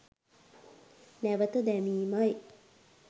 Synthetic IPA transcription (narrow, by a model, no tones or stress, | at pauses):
næʋət̪ud̪æmiːmaj